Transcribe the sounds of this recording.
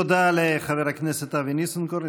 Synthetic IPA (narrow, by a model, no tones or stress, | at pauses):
od̪aleχaveɾhakneset̪avinisonkoɾ